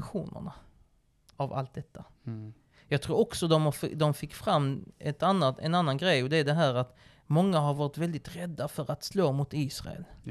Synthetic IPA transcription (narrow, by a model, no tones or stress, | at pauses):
ɧuːnə̰ɳa | ava̰lt̪̚d̪ɛt̪ʰːa | jɑɡt̪ʰɾuːɾɔksɔd̪ɔmhafd̪ɔmfɪkːfɾamːɛt̪anːat̪ɛ̰nanːanɡɾɛjɔd̪ɛæɖɛɦæːɾat̪ | mɔŋːaɦaɾvɑːɾɪt̪vɛld̪ɪt̪ɾɛd̪ːafœɾat̪sloːmʊt̪iːsɾa̰ɛ̰l